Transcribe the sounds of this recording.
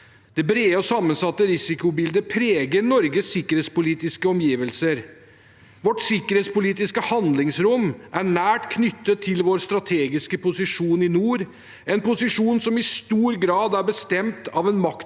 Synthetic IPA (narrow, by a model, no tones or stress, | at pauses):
d̪̥ɛbɾeːəɔsɑmːənsɑt̪ːəɾɪsɪkʊbɪld̪əpʰɾeːɡəɾnɔɾɡəsːɪkːəɾeːt̪spʊliːt̪ɪskəɔmjiːʋəlsəɾ | ʋɔʈsɪkːəɾeːt̪spʊliːt̪ɪskəhɑnd̪lɪŋsɾʊmʔæɳæːʈkʰnʏt̪ːət̪ʰːɪlʋoːɾst̪ɾɑt̪ʰeːɡɪskəpʊsɪʂuːnɪnuːɾ | ɛnpʊsɪʂuːnsɔmɪst̪uːɾɡɾɑːd̪æɾbəst̪ɛmt̪ɑʋɛnmɑk̪